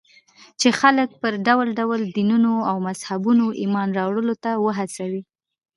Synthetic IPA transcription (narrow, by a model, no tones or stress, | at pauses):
t͡ʃexalək̚pəɾɖawlɖawəld̪inunoawmazhabunoʔimɑnɾɑwɽəlot̪awəɦasawi